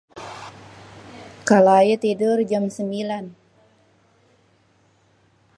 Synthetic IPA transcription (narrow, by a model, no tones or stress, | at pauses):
kalajət̪idərd͡ʒamsəmbilan